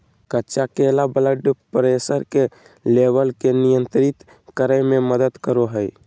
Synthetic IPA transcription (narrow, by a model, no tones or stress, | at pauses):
kətːt͡ʃakelabələɖpɾesəɾke | lebəlkenijənt̪ɾit̪ | kəɾəjmeməd̪əd̪kəɾoɦəj